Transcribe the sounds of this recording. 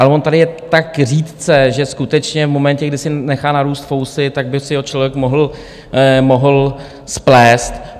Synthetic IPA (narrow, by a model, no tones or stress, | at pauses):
ʔalɛvont̪adɪjɛt̪akr̝iːt̪t͡sɛʒɛskut̪ɛt͡ʃɲɛvmo̞mɛncɛɡdɪsɪnɛxaːnaɾuːst̪fowsɪt̪aɡ̚bɪsɪot͡ʃlovjɛkmoɦl̩ | moɦl̩ | splɛːst̪